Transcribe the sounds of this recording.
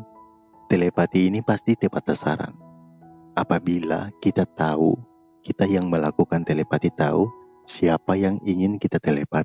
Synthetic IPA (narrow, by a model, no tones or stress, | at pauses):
t̪elepat̪iːnipast̪it̪epat̪̚sasa̰ɾa̰n | ʔapabila̰kit̪at̪au | kit̪ajaŋməlakukant̪elepat̪it̪a̰u | siapajaŋiŋɪnkit̪at̪elepat̪i̥